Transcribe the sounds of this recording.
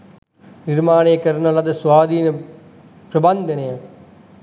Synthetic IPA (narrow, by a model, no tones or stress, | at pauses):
niɾmaːneːkɐɾnɐlɐd̪ɐsʋaːd̪iːnɐ | pɾɐbɐnd̪ɐnɐja